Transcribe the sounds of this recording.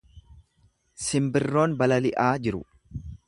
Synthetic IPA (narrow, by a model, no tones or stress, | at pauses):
sɪmbɪrːo̞ːnbɐlɐlɪʔaːd͡ʒɪɾʊ̰